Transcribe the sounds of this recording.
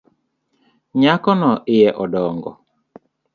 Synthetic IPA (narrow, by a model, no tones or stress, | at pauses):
ɲakɔnɔʔɪjɛʔɔdɔŋɡɔ̰